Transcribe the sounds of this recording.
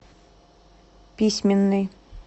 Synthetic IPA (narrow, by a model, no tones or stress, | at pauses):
pʲisʲmʲɪnːɨj